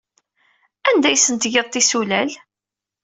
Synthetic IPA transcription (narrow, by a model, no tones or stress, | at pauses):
ænd̪æjsənt̪ʝeðˤt̪ːisulæl